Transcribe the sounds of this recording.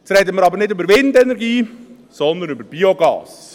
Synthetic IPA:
t͡sɾɛd̪əməɾɑbəɾnɪdʏbəɾvɪndɛnɛɾɡiː | sɔnd̪ənʏbəɾb̥ioɡɑ̰ːs

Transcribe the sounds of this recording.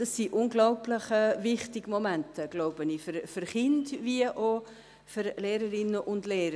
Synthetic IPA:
d̥ɑsːiʔʊnɡlɔʊplɪχɛvɪχtɪɡmɔmɛntʰəɡ̥loʊbənifyɾfyɾχɪndviəʔo | fyɾleːɾəɾɪnːəʔʊndleːɾə

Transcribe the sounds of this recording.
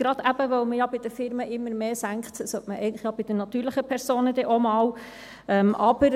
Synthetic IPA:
ɡ̥ɾɑd̪æb̥əʋœwməjɑbɪd̥̪əfɪɾməʔɪmːəɾmeːsæŋkχtsœtməʔɛ̰ɪətləχjɑbɪd̥̪ənɑt̪yːɾləχəpʰɛɾsoːnəd̪ɛʔɔmɑːw | ɛmʔɑb̥əɾ

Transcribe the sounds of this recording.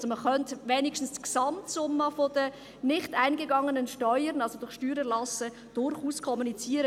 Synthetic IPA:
soməχœntvɛːnikʃtn̩stksɑmtsʊmːəfodə | nɪχtaɪnɡəɡɑŋənənʃtœʏəɾənɑlsodʊɾʃtyːɾəlɑsə | d̥ʊɾχuːskʰɔmunit͡siːəɾə

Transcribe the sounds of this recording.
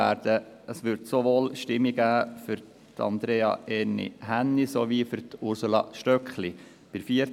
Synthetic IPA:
æːɾd̥ə | əsʋʏɾtsoʋoːlʃtɪmːiɡ̥æːfʏɾ | tʰɑ̰nd̪ɾeːɑ̰ɛnḭɦænːisoʋiːfʏɾt̪ʊɾsulɑ̰ʃtœkχli | b̥ɪɾfiəɾ

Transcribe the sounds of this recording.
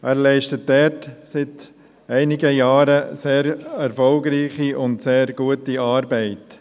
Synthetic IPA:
ʔæːɾlɛɪʃtət̚dɛɾtsɪt | ɛɪnɪɡəjɑːɾəseːɾɛɾfɔlɡɾiːχiʔʊntseːɾɡ̥uətiɑːɾbɛɪt

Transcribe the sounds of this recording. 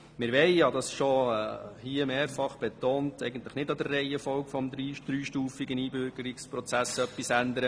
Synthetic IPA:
mɪɾʋɛɪɑdɑsʃoɛhiːəmeːɾfɑχb̥ɛt̪oːntɛɪɡən̩tləχnɪdɑd̪ərːɛɪəfɔwkfɔmdɾiːd̥ɾyːʃtuːfiɡəniːbʏɾɡ̥əɾikspɾɔt͡sæsœpːisænd̪əɾə

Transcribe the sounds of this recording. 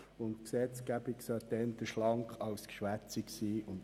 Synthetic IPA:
ʊntksɛt͡sɡ̥æbiksœt̪ɛnt̪əʃlɑŋkχɑwskʃʋæt͡siksiːʔʊnt

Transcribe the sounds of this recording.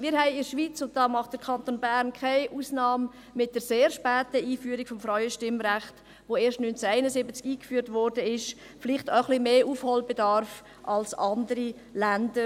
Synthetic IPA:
mɪːɾɦɛɪɪɾʃviːt͡sʊnt̚d̥ɑːmɑχt̚d̥əkʰɑntonbæɾnkʰaɪʔuːsnɑːmː | ɪt̚d̥əɾseːɾʃpɛːtəiːfyːəɾiɡ̥fɔmfɾaʏəʃtɪmɾæχt | ʋoːeːɾʃtnynt͡səæɪnəsɪbət͡skiːkfyːɾtvɔɾdəɪʃ | fɪlɪχtəχlimeːʔuːfholbɛdɑɾf | ʔɑlsɑndəɾi | lændə

